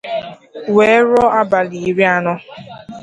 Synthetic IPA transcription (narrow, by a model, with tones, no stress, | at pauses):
we˨˦ɾɔ˦a˦ba˨li˨˦ɾi˦a˦nɔ˦